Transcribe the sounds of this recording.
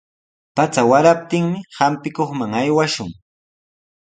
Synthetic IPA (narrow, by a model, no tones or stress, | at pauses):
pat͡sawaɾap̚t̪ɪŋmɪhampɪkoχmaŋajwaʃʊŋ